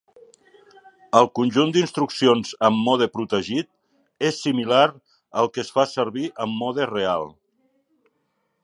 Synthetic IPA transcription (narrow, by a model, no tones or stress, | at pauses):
əlˠkunʲʒund̪inst̪ɾuksionz̥əmːɔð̞əpɾut̪əʒit̪̚ | esːimilaɾ | əlˠkəsfasəɾβiʔəmːɔðərealˠ